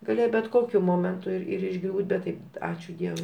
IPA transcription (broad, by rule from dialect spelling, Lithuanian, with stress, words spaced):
ɡɐˈlʲeːjɛ bʲɛt ˈkoːkʲʊ ˈmoːmʲɛntʊ ɪr ˈɪr ɪʒˈɡrʲuːtʲ ˈbʲɛt tɐɪ ˈɑːt͡ʃʲuː ˈdʲiɛʋʊɪ